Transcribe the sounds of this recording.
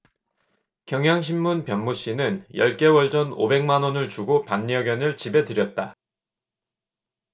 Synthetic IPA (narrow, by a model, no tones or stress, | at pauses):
kjʌŋɦjaŋɕ̬ʰimːunpjʌnmuɕ͈inɯnjʌ̰ɭk͈e̞wʌɭd͡ʑʌno̰be̞ŋmanʌnɯɭt͡ɕuɡopanːiʌɡjʌnɯɭt͡ɕibe̞tɯɾjʌt̚t͈a